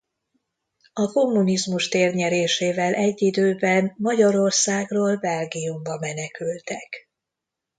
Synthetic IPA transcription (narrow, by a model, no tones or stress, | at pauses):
ɒko̞mːunizmuʃt̪eːrɲɛɾeːʃeːvɛlʔɛɟːid̪øːbɛnmɒɟɒɾo̞rsaːɡroːlbɛlɡijumbɒmɛnɛkylt̪ɛk